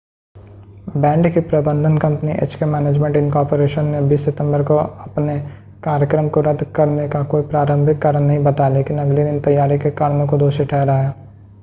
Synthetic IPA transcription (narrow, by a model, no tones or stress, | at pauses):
bɛ̃ːɳɖkipɾɐbə̃nd̪ʱənkɐ̃mpniʔḛːt͡ʃkemɛːneːd͡ʒmẽːɳʈɪ̃nkɔːɾpoɾeːʃənːebiːsːɪt̪ə̃mbəɾkoɐpne | kaːɾjəkɾəmkoɾɐd̪ʱːkɐɾnekakoːipɾaːɾə̃mbʱɪkːəɾənɐɦĩbɐt̪aleːkɪnɐɡled̪ɪnt̪ɐjːaːɾikekaːɾnõkod̪oːʃiʈʰɛːɦɾaːjaː